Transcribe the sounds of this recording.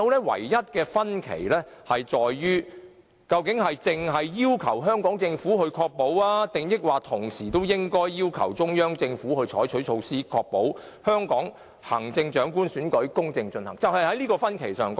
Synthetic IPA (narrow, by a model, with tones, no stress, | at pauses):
wlɛː˥wɐ̰˨˩jjɐ˥t̚kɛː˧fɐ˥nkʰḛ˨˩jlɛː˥hɐ˨jt͡ʃɔː˨jːyː˥ | kɐ˧wkɪ˨˥ŋhɐ˨jt͡sɪ˨ŋɦɐ˨jːiː˥wkʰɐ˨˩wɦœː˥ŋkɔː˨˥ŋt͡sɪ˧ŋfuː˨˥hɵ˧ɥkʰɔː˧k̚po˨˥waː˥t̪ɪ˨ŋjɪ˥k̚waː˨t̪ʰʊ˨˩ŋsiː˨˩t̪o˥wjɪ˥ŋkɔː˥jːiː˥wkʰɐ̰˨˩wt͡sʊ˥ŋjœː˥ŋt͡sɪ˧ŋfuː˨˥hɵ˧ɥt͡ʃʰɔː˨˥jt͡ʃʰɵ˨˥ɥt͡ʃʰo˧wsiː˥kʰɔː˧k̚po˨˥w | hœː˥ŋkɔː˨˥ŋ | hɐ̰˨˩ŋt͡sɪ˧ŋt͡ʃœː˨˥ŋkuː˥nsyː˨˥nkɵ˨˥ɥkʊ˥ŋt͡sɪ˧ŋt͡ʃɵ˧nhɐ˨˩ŋt͡sɐ˨whɐ˨jhɐ˨˥jliː˥kɔː˧fɐ˥nkʰe˨˩jsœː˨˩ŋk